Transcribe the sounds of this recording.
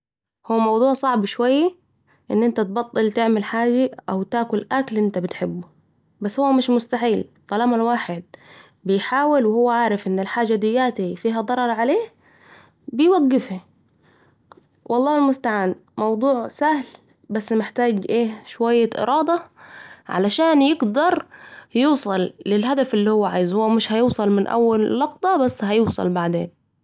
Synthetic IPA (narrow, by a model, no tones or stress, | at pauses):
huːmɑwd̪ˤuːʕsˤɑʕbʃwajːa | ʔɪnːʔɪnt̪at̪̚bɑt̪ˤːɨlt̪ɪʕmɪlħaːd͡ʒaʔawt̪aːkʊlʔaklʔɪnt̪abɪt̪ħɪbːʊ | basːhuwːmɪʃmʊst̪aħiːlt̪ˤːɑlaːmalwaːħɪd̪̚ | bɪjħaːwɪlwɪhʊwːaʕaːɾɪfʔɪnːɪlħaːd͡ʒad̪ɪjːaːt̪ifiːɦad̪ˤɑɾˤɑɾˤʕaleːh | bɪjwaɡːɪfha | wʔɑlˤːɑːhɪlmʊst̪aʕaːn | mɑwd̪ˤuːʕsahl | basːmɪħt̪aːɡʔeːʃwajːaʔɪ̰ɾˤʔɑːd̪ɑʕa̰laʃaːnjɪɡd̪ɑɾˤjuːsˤɑlːɪlɦad̪afʔɪlːiːhʊwːaʕaːjɪzhʊwːamɪʃhajuːsˤɑlmɪnʔa̰wːalːɑq̚d̪ˤɑbasːhajuːsˤɑ̰lbaʕd̪ḛːn